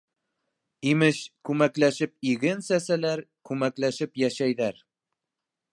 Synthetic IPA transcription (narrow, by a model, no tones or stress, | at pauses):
imɘʃkʉmæklæʃɘp̚iɡɘnsæsælæɾkʉmæklæʃɘpjæʃæjðæɾ